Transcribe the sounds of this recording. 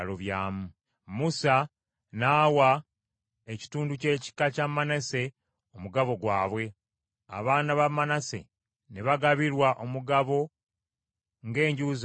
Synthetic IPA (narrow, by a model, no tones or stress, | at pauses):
loβjaːmu | musa | naːwa | eci̥tuːnduce̞ːci̥kːacamːanese̞ | omuɡaβo̞ɡwaːβwe̞ | a̰βaːnaβamːanase̞̰ | neβaɡaβiɾwaʔo̞muɡaβo̞ | ŋɡe̞ːɲɟuz